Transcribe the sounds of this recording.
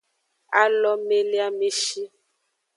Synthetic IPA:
a˦lɔ˦me˦le˦a˦me˦ʃi˦

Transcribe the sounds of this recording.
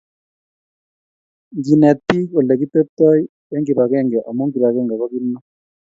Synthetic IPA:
ŋɡi˨nɛ˨t̪i˦kɔ˨lɛ˨ki˦t̪e˦p̚t̪ɔ˦j | ɛ˦ŋɡi˨ba˨kɛ˦˨ŋɡɛ˨ʔa˨mo˦ŋɡi˨ba˨kɛ˦ŋɡa˨kɔ˦ki˦nːɔ˦

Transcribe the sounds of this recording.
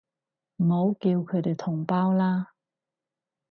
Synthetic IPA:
m̩˨˩ɦo˨˧wkiː˧wkʰɵ˨˧˥t̪e˨jt̪ʰʊ˨˩ŋpaː˥wlaː˥

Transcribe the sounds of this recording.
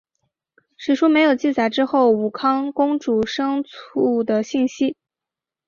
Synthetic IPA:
ʂɻ̩˨˩ʂu˥me˧˥ɪjo˨˩ʊt͡ɕi˥˩t͡sa˨˩ɪʈ͡ʂɻ̩˥xo˥˩ʊu˨˩kʰɑ˥ŋkʊ˥ŋʈ͡ʂu˨˩ʂɤ˥ŋt͡sʰu˥˩d̪ə˨ɕi˥˩nɕi˥

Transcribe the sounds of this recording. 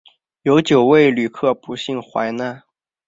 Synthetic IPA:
jo˧˥ʊt͡ɕjo˨˩ʊwe˥˩ɪly˨˩kʰɤ˥˩pu˧˥ɕi˥˩ŋxwa̰˧˥ɪna˥˩

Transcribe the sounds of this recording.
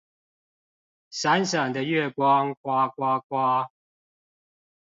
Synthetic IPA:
sa˦nsə˨˩ŋd̪ə˦ɥɛ˥˨kwɑ˦ŋkwa˦kwa˦kwa˦

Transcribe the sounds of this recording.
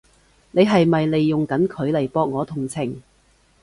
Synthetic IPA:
ne˨˧jɦɐ˨jmɐ˨jle˨jːʊ˨ŋkɐ˨˥nkʰɵ˨˧˥ɥlɐ˨˩jpɔː˧˥k̚ŋɔː˨˧t̪ʰʊ˨˩ŋt͡sʰɪ˨˩ŋ

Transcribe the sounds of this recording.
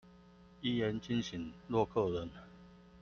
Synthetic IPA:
i˥˦jɛ˨˦nt͡ɕi˥˧nɕi˨˦ŋlwɔ˥˧kʰɤ˥˩ɻə˨˦n

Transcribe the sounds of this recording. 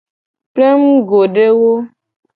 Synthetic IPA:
ple˦m˦ɡo˨ɖe˦wo˦

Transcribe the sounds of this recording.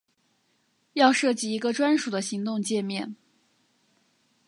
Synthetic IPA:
jɑ˥˧ʊʂɤ˥˩t͡ɕi˥˩i˧˥ɡə˧ʈ͡ʂwa˥nʂu˨˩d̪ə˦ɕi˧˥ŋt̪ʊ˥˧ŋt͡ɕjɛ˥˧mjɛ̰˥˩n

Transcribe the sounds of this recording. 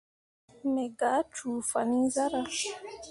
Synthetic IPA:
mɛ˨ɡa˨˦t͡ʃʰu˨fa˨ni˦za˦ɾa˦

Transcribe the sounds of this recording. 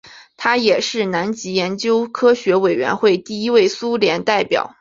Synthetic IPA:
t̪ʰa˥jɛ˨˩ʂɻ̩˥˩na˧˥nt͡ɕi˧˥jɛ˧˥nt͡ɕjo˥ʊkʰɤ˥ɕɥɛ˧˥we˨˩ɪɥɛ̰˧˥nxwe˥˧ɪt̪i˥˧i˥we˥˩ɪsu˥ljɛ˧˥nt̪a˥˩ɪpjɑ̰˨˩˦ʊ

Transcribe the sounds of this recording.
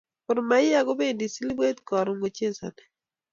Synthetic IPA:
kʊ˨ɾma˨˦ɪ˦a˦ɡo˦be˦˨di˨si˦li˦be˦t̪kɔ˨ɾo˨ŋɡo˨t͡ʃe˦sa̰˨nɛ˨

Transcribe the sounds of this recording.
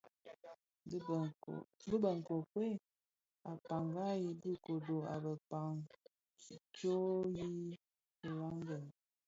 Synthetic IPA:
bə˦bə˨ŋ˨kɔ˨ke˦ | a˨pa˨ŋɡa˦ji˨bi˦ko˨do˨a̰˨bə˨pa˨ŋ | ki˨t͡ʃo˦ji˦˨ | la˦ŋ˦ɡə˨n˨

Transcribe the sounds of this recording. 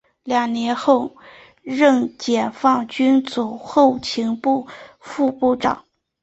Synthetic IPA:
ljɑ˨˩ŋnjɛ˧˥nxo˥˧ʊ | ɻɤ˥˩ŋt͡ɕjɛ˨˩nfɑ˥˩ŋt͡ɕy˥nt͡su˨˩xo˥˩ʊt͡ɕʰi˧˥ŋpu˥˧fu˥˧pu˥˩ʈ͡ʂɑ̰˨˩˦ŋ

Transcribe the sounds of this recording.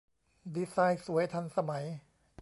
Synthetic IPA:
di˧saː˧jsu˩˦əjt̪ʰa˧nsa˧ma˩˦j

